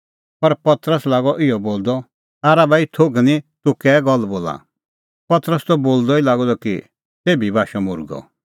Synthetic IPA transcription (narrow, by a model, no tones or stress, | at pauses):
pɐɾpɐt̪ɾəslaːɡɔʔɪɔboːld̪ɔ | aːɾabait̪ʰoɡnĩt̪ʊkɛːɡɔlboːla̰ | pɐt̪ɾəst̪ɔboːld̪ɔilaːɡɔd̪ɔki | t̪eːbibaːʃɔmʊɾɡɔ̰